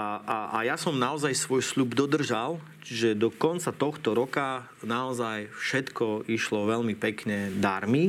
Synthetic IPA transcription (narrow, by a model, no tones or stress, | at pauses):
aʔa̰jasɔmnaɔzajsʋɔjslubd̪ɔd̪r̩ʒal | t͡ʃiʒɛd̪ɔkɔnt͡sat̪ɔxt̪ɔɾɔka | naɔzajfʃɛt̪kɔiʃlɔʋɛʎmipɛkɲɛd̪aɾmi